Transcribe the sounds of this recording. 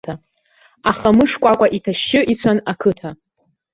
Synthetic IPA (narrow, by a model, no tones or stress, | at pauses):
a | aχamɨʂkʷʼakʷʼaʔitʰaʃːɪʔit͡sʷʰanakʰɨtʰa